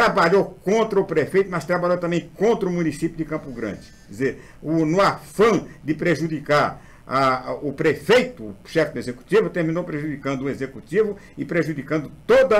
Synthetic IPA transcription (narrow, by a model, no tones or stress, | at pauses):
t̪ɾabaʎowkõnt̪ɾɐʊpɾefejt̪ʊmɐst̪ɾabaʎowt̪ɐ̃mbẽj̃kõnt̪ɾɐʊmunisipjʊd̪ɪkɐ̃pʊɡɾɐ̰̃d͡ʒɪ | zeɾ | ʊnʊafɐ̃d̪ɪpɾeʒud̪ikaɾ | aʊpɾefejt̪ʊːʃɛfɪd̪ʊezeku̥t̪ivɐt̪eɾmĩnowpɾeʒud̪ikɐ̃nd̪ʊũezekut̪ivʊɪpɾeʒud̪ikɐ̃nd̪ʊt̪od̪ɐ